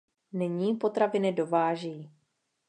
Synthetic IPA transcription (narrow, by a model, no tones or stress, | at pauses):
nɪɲiːpo̞t̪ɾavɪnɪdo̞vaːʒi